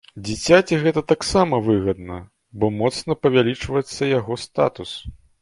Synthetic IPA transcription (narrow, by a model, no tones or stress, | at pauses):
d͡zʲit͡sʲat͡sʲiɣɛt̪ɐt̪aksamɐvɨɣɐd̪nɐ | bɔmɔt̪snɐpɐvʲalʲit͡ʂvɐjɛt̪sːɐjaɣɔst̪a̰t̪us